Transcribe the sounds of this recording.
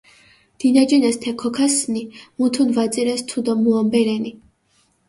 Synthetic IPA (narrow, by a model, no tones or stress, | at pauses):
d̪̥inad͡ʒɛnɛst̪ʰɛkʰɔkʰasnimut̪ʰunvat̪sʼiɾɛst̪ʰud̪ɔmuɔmbɛɾɛni